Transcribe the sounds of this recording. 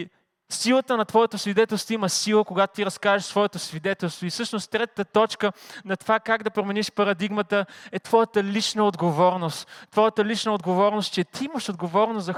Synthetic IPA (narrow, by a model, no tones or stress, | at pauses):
silˠət̪ənɐt̪vɔjət̪osvid̪ɛt̪ɛlˠst̪voiməsilˠəkoɡat̪o̥t̪iɾɐskavɛʃt̪vɔɛt̪osvid̪ɛt̪ɛlˠst̪voisɤʃnost̪ɾɛt̪ət̪ət̪ɔt͡ʃkənɐt̪ovakaɡd̪ɐpɾomɛniʃpɐɾɐd̪iɡmət̪əɛt̪vɔjət̪əlit͡ʃnəod̪ɡovɔɾnost̪ːvɔjət̪əlit͡ʃnəod̪ɡovɔɾnos̚t͡ʃɛt̪ʰiiməʃod̪ɡovɔɾnozɐ